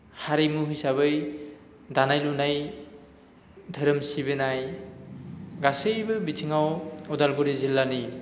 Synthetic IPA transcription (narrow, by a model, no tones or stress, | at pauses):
haɾimuɦɯjsabɯj | danajlunaj | dʱɯɾɯmsibenaj | ɡasejbɯbitʰiŋawɔdalɡuɾizilːani